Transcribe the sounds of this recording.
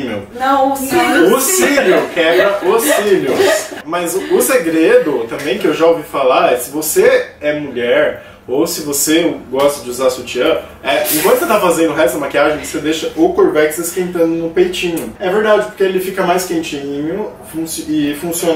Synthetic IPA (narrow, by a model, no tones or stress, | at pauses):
mewnɐ̃iʊiʎʊkɛbɾɐʊsfiʎʊsmɐzʊʊseɡɾed̪ʊt̪ɐ̃mbẽj̃kɪewʒaowvifalaɾɛsɪvoseɛmuʎɛɾ | owsɪvoseɡɔst̪ɐd͡ʒɪuzasuɐt͡ʃiɐ | ɛẽkwɐ̃nt̪ʊset̪afazẽnd̪ʊɦɛst̪d̪ɐmakiaʒẽj̃vosed̪eʃɐʔʊkoɾvɛkɪst̪askẽnt̪ɐ̃nd̪ʊnʊpejt͡ʃĩɲʊɛveɾd̪ad͡ʒɪpoɾkeelɪfikɐmajskẽnt͡ʃĩɲʊ | fũsɪfũsiõn